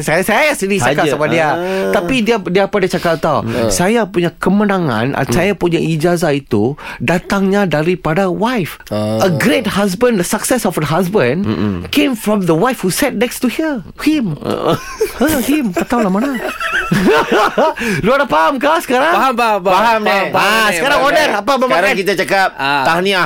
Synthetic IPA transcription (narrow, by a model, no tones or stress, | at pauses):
sajasajajasədit͡ʃakasabadiat̪apidiadiapadat͡ʃakat̪awsajapuɲakəmənãŋã̰nʔa̰nsajapuɲaʔid͡ʒazait̪udat̪aŋɲadaɾipadawajfʔəɡɾet̚has̬bə̃ndəsaksɛsɔfəɦasbə̃nkẽmfɾɔ̃md̪əwajfhusɛt̚nɛkstuhi | him̰ | əhimkat̪awlamana | luadapaɦamkasə̥kaɾaaɦamaaɦamaaaasəkaɾaŋɔdəapabəmakaatkit̪at͡ʃakap̚t̪ahnia